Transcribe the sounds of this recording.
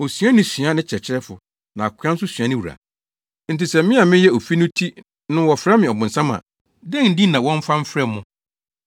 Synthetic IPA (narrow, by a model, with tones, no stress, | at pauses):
o˨sɥa˦nɪ̃˦sɥa˦nɪ̃˦t͡ɕʰɛ˨t͡ɕʰɪ˦ɾɛ˦fʊ˨ | nã˨a˨kʷʰã˦n̩˦s̬ʊ˦sɥã˦nɪ̃˦wu˨ɾa̰˨ | n̩˨ti˨sɛ˨˦mɪ̃˦a˨mɪ̃˦jɛ˦o˨fi˦nʊ̃˦tʰi˦ | nʊ̃˦wɔ˨fɾa˦mɪ̃˨ɔ˨bʊ̃˨n̩˨sã˦mã̰˨ | dɛ̃˦˨n̩˦di˦nã˨wɔ̃˦m̩˦fã˦m̩˦fɾɛ˦mːʊ̃˦